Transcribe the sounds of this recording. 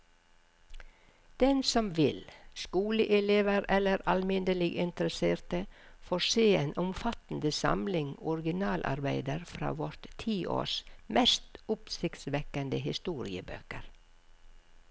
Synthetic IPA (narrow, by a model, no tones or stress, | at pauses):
d̪̥ɛnsɔmʋɪlskuːləʔɛleːʋəɾɛləɾɑlmɪnd̪əlɪɡɪnt̪əɾəseːɾt̪əfoːseːeːnʔʊmfɑt̪n̩d̪əsɑ̰mlɪŋɔɾɡɪnɑːlʔɑ̰ɾbæɪd̪əɾfɾɑ̰ːʋɔɾt̪t̪ʰiːʔo̰ːsmɛst̪ʊpsɪkt̪sʋɛkənd̪əɦɪst̪uːɾɪ̰ə̰bø̰ːkəɾ